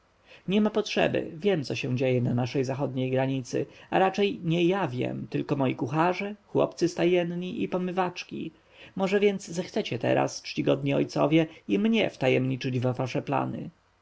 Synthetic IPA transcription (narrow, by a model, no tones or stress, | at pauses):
ɲɛmapɔtʂɛ̰bɘ̰vʲjɛmt̪sɔɕɛw̃d͡ʑejɛnanaʂɛjzaxɔd̪ɲejɡɾaɲit̪sɘ̰aɾat͡ʂɛjɲɛjavʲjɛ̰mt̪ɘlkɔmɔjikuxaʐɛxwɔ̰pt̪sɘst̪ajɛnɲiʔipɔmɘvat͡ʂkʲḭ | mɔʐɛvʲjɛnd̪szɛxt̪sɛt͡ɕɛt̪ɛ̰ɾa̰st͡ʂt͡ɕiɡɔd̪ɲiɔjt̪sɔ̰vʲjɛimɲɛft̪ajɛmɲit͡ʂɘd͡ʑvavaʂɛpla̰nɘ̰